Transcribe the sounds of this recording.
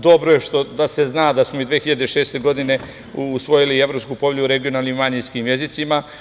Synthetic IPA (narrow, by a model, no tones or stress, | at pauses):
d̪o̞bɾoje̞ʃt̪o̞d̪ase̞znaːd̪asmoid̪ʋeːxiʎad̪eʃeːst̪e̞ɡo̞d̪ine̞ | uːsʋo̞jilie̞ʋɾopskuːpo̞vʲʎʲuuɾe̞ɡio̞nalnimːaɲinskiːmje̞zit̪sima